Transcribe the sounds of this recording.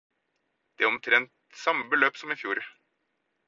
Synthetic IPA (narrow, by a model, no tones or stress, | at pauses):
d̪̥ɛæɔmt̪ʰɾɛnt̪sɑmːəbəløːpsɔmɪfjuːɾ